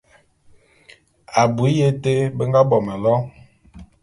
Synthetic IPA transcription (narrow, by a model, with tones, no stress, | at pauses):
a˨bu˨i˦je˦te˦bə˦ŋɡa˦bɔ˨mɛ˨lɔ˦